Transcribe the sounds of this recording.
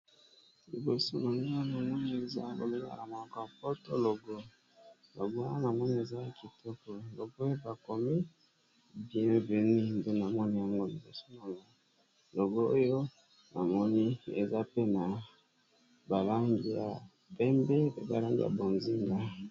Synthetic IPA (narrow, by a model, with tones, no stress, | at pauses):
li˨bo˨so˦na˨ŋɡa˦na˨mɔ˦ni˨˦e˨za̰˦lo̰˨ɡo˦ɡa̰˦na˨mo˨ɔ˨kɔ˨ja˨po˦to˦lo˨ɡɔ˦ | lo̰˨ɡo˦a˦na˨mɔ˦ni˦e˨za˦˨ki˨tʰɔ˦kɔ˨lo˨ɡo˦jo˦ba˨ko˨mi˦ | bbe˨ni˦ndo˦na˨mɔ˦ni˦ja˨ŋɡo˦li˨bo˨so˦na˨ŋa˨ | lo˨ɡo˦o˦jo˦ | na˨mɔ˦ni˦ḛ˨za˦pe˦na˨ | ba˨la˦ŋɡi˨ja˨ | pɛ˦mbe˦pe˦ba̰˨la˦ŋɡḭ˨ja̰˨bo˨nzi˦ŋɡa˦